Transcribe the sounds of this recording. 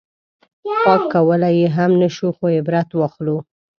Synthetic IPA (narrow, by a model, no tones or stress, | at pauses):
xwɑkːawəlajeɦamnəʃuxoebɾat̪waxlu